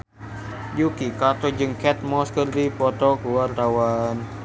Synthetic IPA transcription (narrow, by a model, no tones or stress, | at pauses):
d͡ʒukikat̪ɔd͡ʒɨŋkɛt̪̚mɔskərdipɔt̪ɔkuwart̪awan